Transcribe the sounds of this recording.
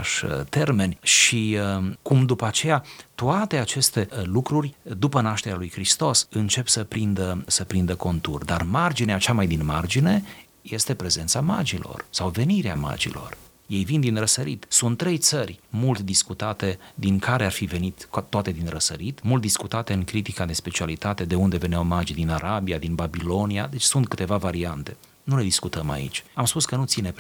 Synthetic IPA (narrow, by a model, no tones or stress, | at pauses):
ʃt̪e̞rme̞nʲʃikumd̪upəat͡ʃe̞jat̪uat̪e̞at͡ʃe̞st̪e̞lukɾurʲd̪upənaʃt̪e̞ɾʲalujkɾist̪o̞sɨnt͡ʃe̞psəpɾind̪əsəpɾind̪əko̞nt̪urd̪armard͡ʒineat͡ʃamajd̪inma̰rd͡ʒine̞ | je̞st̪e̞pɾe̞ze̞nt̪sama̰d͡ʒilo̞̰rsawve̞niɾea̰ma̰d͡ʒḭlo̞̰r | je̞jvind̪inrəsəɾit̪sunt̪ːɾe̞jt̪sərʲmult̪d̪iskut̪at̪e̞d̪iŋkaɾearfive̞nit̪t̪ːoat̪e̞d̪inrəsəɾit̪mult̪̚d̪iskut̪at̪e̞ɨŋkɾit̪ikad̪e̞spe̞t͡ʃialit̪at̪e̞d̪e̞und̪e̞ve̞nawmad͡ʒid̪inaɾabiad̪inbabilo̞niad̪e̞t͡ʃʲsunt̪̚kɨ̥t̪e̞vavaɾiant̪e̞ | nule̞d̪iskut̪əma̰ḭt͡ʃʲamspuskənut̪sine̞p